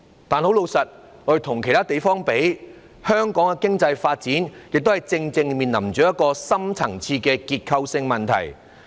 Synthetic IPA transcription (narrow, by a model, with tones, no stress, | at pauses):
t̪aː˨nho˨˥wlo˨˧wsɐ˨t̚ | ŋɔ˨˥ɾe˨˩t̪ʰʊ˨˩ŋkʰe˨˩jt̪aː˥t̪e˨jfɔː˥ŋpe˨˥j | hœː˥ŋkɔː˨˥ŋkɛ˧kɪ˥ŋt͡sɐ˧jfaː˧t̚t͡siː˨˥njɪ˨k̚t̪o˥whɐ˨˩jt͡sɪ˧ŋt͡sɪ˧ŋmiː˨nlɐ̰˨˩mt͡ʃœː˨˥jɐ˥t̚kɔː˧sɐ˥mt͡sʰɐ˨˩ŋt͡sʰiː˧kɛː˧kiː˧t̚kʰɐ˧wsɪ˧ŋmɐ˨nt̪ʰɐ̰˨˩j